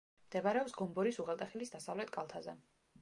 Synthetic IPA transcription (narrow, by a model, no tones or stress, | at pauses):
md̪̥ɛvaɾɛɔpsɡɔmbɔɾisuʁɛlˠt̪ʼaχilisd̪asavlɛt̪ʰkʼalˠt̪ʰazɛ